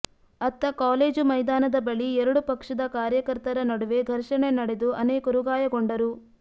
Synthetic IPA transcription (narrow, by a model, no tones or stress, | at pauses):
ɐt̪ːɐkaːle̞ːd͡ʒumɐjd̪aːnɐd̪ɐbɐɭiɛɾɐɽupɐkʂɐd̪ɐkaːɾjɐkɐɾt̪ɐɾɐnɐɽuʋe̞ɡʱɐɾʂɐɳenɐɽe̞d̪uʔɐneːkɐɾuɡaːjɐɡoɳɖɐɾu